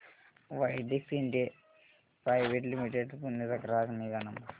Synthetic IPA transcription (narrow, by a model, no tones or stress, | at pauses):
ʋɐjɖeksinde | pɾɐjʋeʈlimiʈeɖpunːit̪ɐkɾaːsmiðɐnɐm